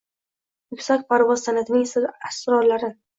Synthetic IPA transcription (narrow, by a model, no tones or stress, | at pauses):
jʊkʲsakʲpʰaɾvɒzsanat̪ʰɪnɪŋsɪlasɾɒɾlaɾɪ